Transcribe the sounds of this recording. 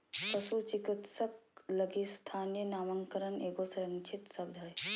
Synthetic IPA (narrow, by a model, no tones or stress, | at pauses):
kəsut͡ʃikit̪sək̚ləɡist̪ʰanijənaməŋkəɾəneɡosɾəŋt͡ʃʰit̪səb̚d̪ʱəj